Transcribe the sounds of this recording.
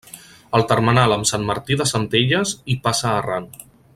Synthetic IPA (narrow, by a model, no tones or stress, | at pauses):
əlˠt̪əɾmənaləmsanməɾt̪iðəsənt̪eʎəzipasəːran